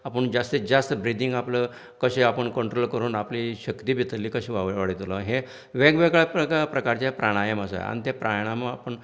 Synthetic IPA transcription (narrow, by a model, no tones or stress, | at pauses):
apəɳd͡ʑast̪ed͡ʑast̪bɾid̪iŋɡaplə | kəɕeapəɳkəɳʈɾolkəɾuːnapliɕəkt̪iːbʱit̪əlːiːkəɕĩʋaʋʋaɽit̪lɔɦe | ʋeɡʋeɡɭapəkapɾəkaɾt͡ɕapɾaɽ̃ajəməsa̰a̰nit̪epɾajɽ̃aməapəɳ